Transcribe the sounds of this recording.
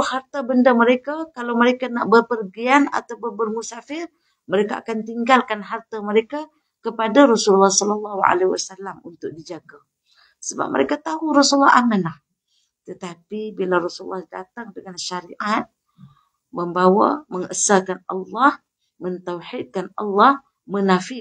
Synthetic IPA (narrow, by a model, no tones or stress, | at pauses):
hart̪abəndaməɾekakalawməɾekanaʔbərpərɡiana̰t̪awbəbərmusafɪr | məɾekaʔa̰kant̪iŋɡalkanɦart̪aməɾeka | kəpadaɾɔsululːahsɔləlːɑhua̰lewa̰salːamṵnt̪ʊk̚did͡ʒaɡa | səba̰p̚mə̰ɾekat̪aɦuɾɔsulːaamanah | t̪ət̪apibilaɾɔsulːahda̰t̪aŋdəŋanʃaɾiʔat̪̚ | məmbawa̰məŋəsakanɑ̰lːɑh | mənt̪awħid̚kanɑ̰lːɑh | mənafɪ